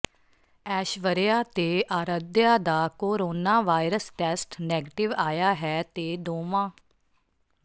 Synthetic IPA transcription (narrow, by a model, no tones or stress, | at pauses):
ɛːʃʋəɾjaːt̪eːʔaːɾəd̪jaːd̪aːkoːɾoːnaːʋaːiɾəsʈɛːsʈnɛːɡʈɪʋaːjaːɦɛːt̪eːd̪oːmãː